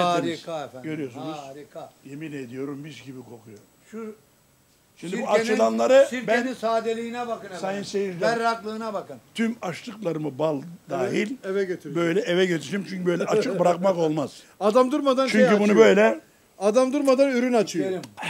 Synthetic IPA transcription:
aiɟø̞ɾyjo̞sunuz̥ɾikjemined̪ijo̞ɾumbizɟibikʰo̞kʰujoɾ | ʃu | ʃimd̪iuat͡ʃɯlˠanlˠaɾɯiɾbænisaːd̪elʲiinɛbakɯnsajɯnsejiɾlʲɛɾaklˠɯːnabakɯnt̪ʰymaʃlˠɯklˠaɾɯmɯbalˠd̪aːɦilʲevɛɟøt̪ʰɾbøjlʲɛevɛɟøt̪ʰiʃimt͡ʃʰyɲʲcybø̞jlʲɛɛʔat͡ʃʰɯkbɾakmako̞lˠmaz̥ | ad̪amd̪uɾmad̪ant͡ʃʰyɲʲybunubø̞jlʲɛ | ad̪amd̪uɾmad̪anyɾynat͡ʃʰɯjo

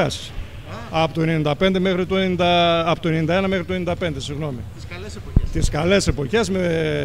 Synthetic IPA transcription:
ɐs | ɐpot̪oenenind̪ɐpe̞nd̪e̞mexɾit̪uenind̪ɐɐpot̪oenenind̪ɐenɐmexɾit̪oenind̪ɐpe̞nd̪e̞siɣno̞mi | t̪iskɐle̞se̞po̞çe̞zme

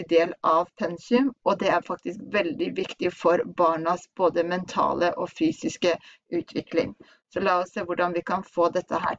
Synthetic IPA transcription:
d̪eːlɑʋpʰɛnsɪʉmɔd̪ɛæɾfɑk̚t̪ɪskʋɛld̪ɪʋɪkt̪ɪfɔɾbɑːɳɑsb̥oːd̪əmɛnt̪ʰɑ̰ːləʔɔfyːsɪskə | ʉːt̪ʰʋɪklɪ̰ŋ | sɔlɑːɔsseːʋʊɖɑnʋɪkɑnfoːd̪ɛt̪ʰːəɦæ̰ː

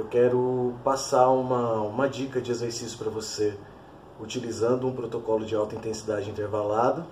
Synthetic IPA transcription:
ewkɛɾʊpasaũmɐũmɐd͡ʒikɐd͡ʒɪezeɾsisjʊ̥pɾɐvose | ut͡ʃilizɐ̃nd̪ʊũpɾot̪okɔlʊd͡ʒɪawt̪ɐĩnt̪ẽsid̪ad͡ʒɪĩnt̪eɾvalad̪ʊ

